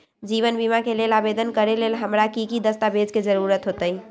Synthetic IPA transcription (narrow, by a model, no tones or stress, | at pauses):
d͡ʒiβənbimakelelabed̪ənkəɾelelɦəmɾakikid̪əst̪abed͡ʒked͡ʒəɾuɾət̪ɦot̪əi